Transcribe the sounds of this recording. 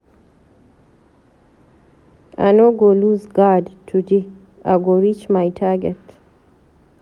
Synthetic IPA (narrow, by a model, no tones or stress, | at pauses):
a̰noɡoluzɡadtʰud͡ʒi | a̰ɡoɾit͡ʃmajtʰaɡɛt